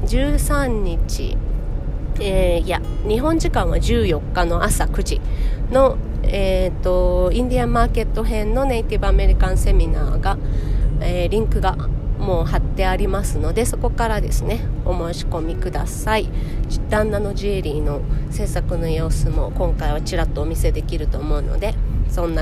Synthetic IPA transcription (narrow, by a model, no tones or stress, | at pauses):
d͡ʑɨːsãɲɲit͡ɕḭ | ejaɲ̟iɦõ̞ɲ̟d͡ʑikãɰ̃βad͡ʑɨːjo̞kːano̞ʔasakɯ̟ʑino̞et̪ːo̞ĩɲd̪ʲiamaːke̞t̪ːo̞ɦẽ̞nnːo̞neit̪ʲibɯ̟ame̞ɾʲikãnse̞mʲina̰ːɡa | eɾʲĩŋkɯ̟ɡamo̞ːhat̪ːe̞aɾʲimasɨno̞d̪e̞so̞ko̞kaɾad̪e̞sɨne̞o̞mo̞ːɕi̥ko̞mʲikɯ̟d̪a̰said̪̥ãnːano̞ʑiɾʲiːno̞se̞ːsakɯ̟no̞jo̞ːsɨmo̞̰kõ̞ŋkaiβat͡ɕiɾat̪ːo̞ːmʲise̞d̪e̞kʲiɾɯ̟t̪o̞ːmo̞ɯ̟no̰d̪e̞sõ̞nːa